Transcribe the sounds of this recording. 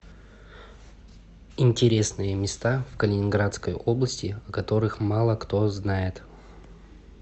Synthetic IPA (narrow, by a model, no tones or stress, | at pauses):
ɪnʲtʲɪɾʲe̞snɨjəmʲɪst̪afkəlʲɪnʲɪnɡɾat̪skəjoblˠəsʲtʲɪɐkɐt̪o̞ɾɨxmalˠəkt̪oznajɪt̪